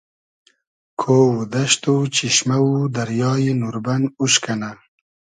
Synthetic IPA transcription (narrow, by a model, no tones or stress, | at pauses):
kʰowud̪ɐʃt̪ut͡ʃiʃmawud̪ɐɾjɑːjinuɾbanuʃkana